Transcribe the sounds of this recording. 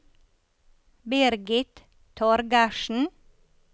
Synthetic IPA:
bɪɾɡɪt̪ | t̪ʰɔɾɡɑʃn̩

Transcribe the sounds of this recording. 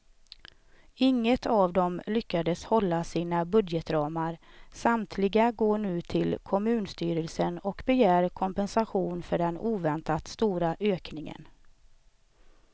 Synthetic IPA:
ɪŋːət̪ʰavd̪ɔmlʏkːad̪əshɔlːasiːnabɵd̪jɛt̪ɾɑːmaɾsamt̪ʰlɪɡaɡoːɳʉ̟ːt̪ʰɪlkʰɔmʉ̟ːnst̪yːɾəlsənɔkbɛjæːɾkʰɔmpɛnsaɧuːnfœɖɛnuːvɛnt̪at̪st̪uːɾaʔøːknɪŋə̰n

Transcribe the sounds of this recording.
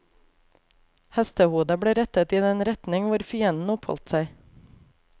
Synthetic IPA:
hɛst̪əhuːd̪əbɽeːɾɛt̪ət̪iːd̪ɛnɾɛt̪nɪŋʋʊɾfʏɛnn̩ɔpʰhɔ̰lt̪sæɪ

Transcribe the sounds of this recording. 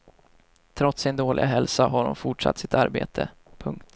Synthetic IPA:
t̪ʰɾɔt̪sɪnd̪oːlʔɪ̰ɡaɦɛlsaɦaɾhʊ̰nfʊʈʂa̰t̪ːsɪt̪a̰ɾbḛːt̪ʰə̰ | pʰɵŋkt̪

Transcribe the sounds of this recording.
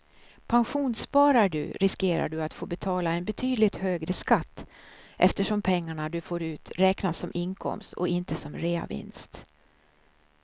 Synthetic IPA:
pʰanɧuːnspɑːɾaɖɵ̰ɾʔɪskeːɾa̰ɖɵat̪foːbɛt̪ʰɑːlaɛnbɛt̪ʰyːd̪lɪt̪høːɡɾəskat̪ːʔɛft̪əʂɔmpʰɛŋːaɳad̪ɵfoːɾʉ̟ːt̪ɾɛːknasɔmʔɪŋkʰɔ̰mst̪ʰɔ̰ɪnt̪əsɔmɾeːa̰vɪ̰nst̪

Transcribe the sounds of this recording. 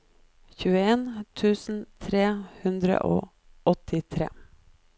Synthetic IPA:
çʉːəeːnt̪ʰʉːsn̩t̪ʰɾeːhʉnd̪ɾə̰ʔo̰ː | ʔɔt̪ʰɪt̪ʰɾḛː

